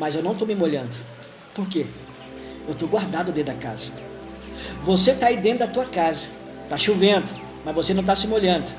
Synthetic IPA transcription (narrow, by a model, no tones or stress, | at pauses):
mɐzewnɐ̃w̃t̪owmɪmoʎɐ̃nd̪ʊ | poɾke | ewt̪oɡwaɾd̪ad̪ʊd̪ẽt̪d̪aka̰zɐ | voset̪aid̪ẽnt̪ʊd̪ɐt̪uɐkazɐ | t̪aʃuvẽd̪ʊ | mɐzvosenɐ̃w̃t̪asɪmoʎɐ̃nd̪ʊ